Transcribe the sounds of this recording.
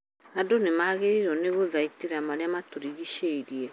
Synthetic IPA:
adonemaːɣeɾiɾɔneɣoðaiteɾamaɾeamatoɾiɣiʃeiɾiɛ

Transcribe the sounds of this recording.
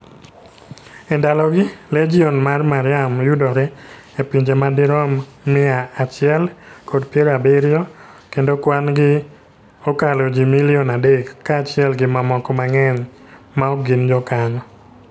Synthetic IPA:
ɛndalɔɡɪled͡ʒiɔnmarmaɾɪamjudɔɾɛ | epiɲd͡ʒemadɪɾɔmːɪaːt͡ʃɪɛlkodpjɛɾabeɾjɔkendokwanɡɪ | okalod͡ʒimiliɔnadekːaːt͡ʃɪɛlɡɪmamɔkɔmaŋɛɲ | maoɡɪnd͡ʒɔkaɲɔ

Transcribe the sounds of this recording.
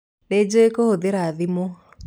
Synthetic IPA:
ned͡ʒoekohoðeɾaðimo

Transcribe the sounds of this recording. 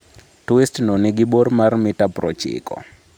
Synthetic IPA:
twistnɔnɪɡɪbormarmɪtapɾɔt͡ʃɪ̰kɔ̰

